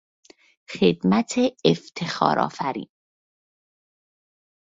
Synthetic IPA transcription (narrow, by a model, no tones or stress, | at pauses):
xed̪mæt̪ʰeːft̪ʰe̞xɒ̰ːɾʔɒ̰ːfæɾḭːn